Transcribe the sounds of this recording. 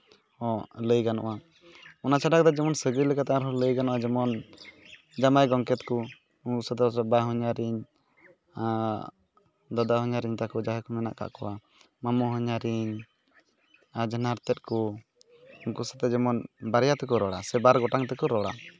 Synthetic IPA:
ɔləjɡanɔ̰ʔa | ɔnat͡ʃaɖak̚d̪ɔd͡ʒɛmɔnsəɡəjlɛkat̪aaɾɦɔləjɡanɔʔad͡ʒɛmɔn | d͡ʒamajɡɔŋkɛt̪kɔ | ukusat̪̬ɛsɛbaɦɔɲaɾiɲ | a | d̪ad̪aɦɔɲaɾiɲt̪akɔd͡ʒaɦɛkɔmɛna̰ʔka̰ʔkɔwa | mamɔɦɔɲaɾiɲ | ad͡ʒənaɾt̪ɛt̪̚kɔ | uŋkusḁt̪ɛd͡ʒɛmɔnbaɾjat̪ɛk̬ɔɾɔɽasɛbaɾɡɔʈaŋt̪ɛkɔɾɔɽa̰

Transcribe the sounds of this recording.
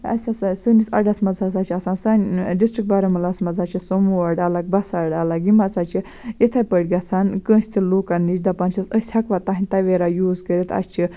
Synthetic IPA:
ɐ̰sʲasasɨnisɐ̰ɖɐsmɐzasaːt͡ʃʰiɐsaːnsanɖisʈɾik̚ʈ̚baɾɐmɐlasmɐzat͡ʃʰisomuɐɽalaɡ̚bɐsaɖalaɡimɐt͡sat͡ʃʰi | jet̪ʰajpəɽɡɐt͡sʰankə̃ːsʲt̪ʰiloːkanit͡ʃd̪apant͡ʃʰɐsəsʲhɐkʋat̪aɦinʲt̪ɐʋeɾajuːzkəɾit̪ʰɐ̰st͡ʃʰi

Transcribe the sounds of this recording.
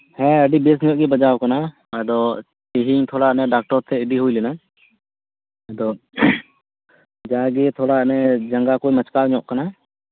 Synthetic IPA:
hɛ̃əɖibes̬ɲɔʔ̚ɡɛbad͡ʒawkana | əd̪ɔ | t͡ʃeɦiŋt̪ʰɔɽanɛɖak̚ʈɔɾt̪ʰɛiɖiɦujlɛna | d̪ɔ | d͡ʒaɡɛt̪ʰɔɽanɛd͡ʒaŋɡakojmət͡ʃkaɲɔʔkana

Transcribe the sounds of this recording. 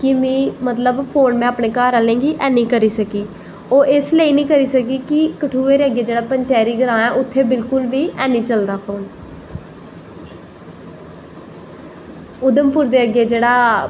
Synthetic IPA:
kɪmĩːmət̪ləbpʰoːnmɛ̃ːaːpɳeːkaːɾãːlẽːɡiːʔɛːnĩːkəɾiːsəkiː | oːʔɪsleːiːnĩːkəɾiːsəkiːkɪkəʈʰuːeːɾeːəɡeːd͡ʒeːɽaːpəɲt͡ʃɛːɾiːɡəɾãːɛːʔʊt̪ʰːeːbɪlkʊlʋiːʔɛːnĩːt͡ʃəld̪aːpʰoːn | ʊd̪əmpʊɾd̪eːəɡeːd͡ʒeːɽaː

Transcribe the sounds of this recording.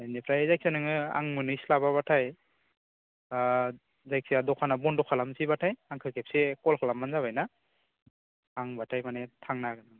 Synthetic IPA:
ajnepʰɾajzajk̚sanɯŋɯa̰ŋmɯnɯjslaβaβatʰaj | zajk̚siadɔkʰanabɔndɔkʰalamsibatʰajaŋkʰɯɾkʰep̚sekɔlkʰalamːanzaβajna | ŋbatʰajmanetʰaŋnaɡɯnɯ

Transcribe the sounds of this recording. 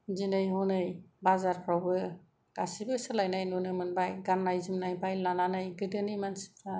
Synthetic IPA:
zinɯjɦɔnɯjbazaɾpʰɾawbɯ | ɡ̥asibɯsɯlajnajnunɯmɯnbajɡanːajzɯmnajbajlananɯjɡɯdɯnijmansi̥pʰa

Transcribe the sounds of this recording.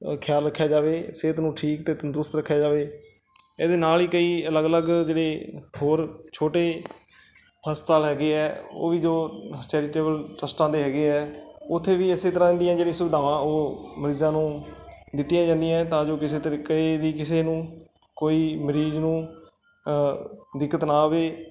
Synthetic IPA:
kʰɪjaːlɾəkʰːjaːd͡ʒaːʋeːseːt̪nũːʈʰiːkt̪eːt̪ənd̪ɾʊst̪ɾəkʰːjaːd͡ʒaːʋeː | eːd̪eːnaːliːkəiːələɡələɡd͡ʒeːɽeːɦoːɾt͡ʃʰoːʈeː | pʰəst̪aːlɦɛːɡeːɛːo̰ːʋiːd͡ʒoːt͡ʃɛːɾiːʈeːbəlʈəsʈãːd̪eːɦɛːɡeːɛːʊt̪ʰːeːʋiːəseːt̪əɾãːɪ̃nd̪ijãːd͡ʒeːɽĩːsʊbd̪ʱaːʋãːoːməɾiːzãːnũːd̪ɪt̪ːɪjãːd͡ʒãːnd̪ijãɛt̪ãːd͡ʒoːkɪseːt̪ɾked̪iːkɪseːnũː | koːiːməɾiːznũː | d̪ɪkːət̪naːʋeː

